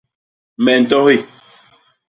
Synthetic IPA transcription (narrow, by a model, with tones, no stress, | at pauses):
mɛ˨n̩˨tɔ˦hi˦˨